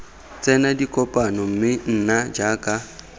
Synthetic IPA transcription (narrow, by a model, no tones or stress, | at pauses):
t͡sʼɛnadikʼɔpʼanɔm̩mɪn̩nad͡ʒakʼa